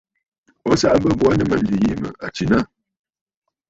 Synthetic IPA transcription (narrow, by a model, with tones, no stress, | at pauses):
ɔ˦sa˦ʔa˦bə˦bwa˦nə˦mə˦n̩˦li˨ji˦˨mə̰˨a˨t͡ʃi˨na˦